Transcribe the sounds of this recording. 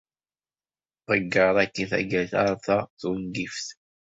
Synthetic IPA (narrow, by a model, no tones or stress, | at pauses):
ðˤəɡːəɾˤækːiθæ̰ɡæθa̰ɾˤθɑθund̪ifθ